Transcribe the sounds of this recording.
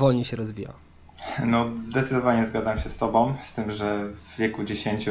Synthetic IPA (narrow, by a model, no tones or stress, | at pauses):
ɔlɲɛɕɛɾɔzvʲija̰ | nɔzd̪ɛt̪sɘd̪ɔvaɲɛzɡad̪zamɕɛst̪ɔbɔ̃w̃st̪ɘmʐɛvːʲjɛkud͡ʑeɕeɲt͡ɕu